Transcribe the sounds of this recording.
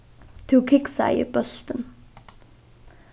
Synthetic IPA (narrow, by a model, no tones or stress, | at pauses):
t̪ʰukʰiksa̰jə̰pɔɮt̪ə̆n